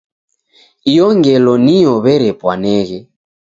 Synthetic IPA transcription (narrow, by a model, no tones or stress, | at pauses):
ijɔŋɡɛlɔnijɔβɛɾɛpwanɛɣɛ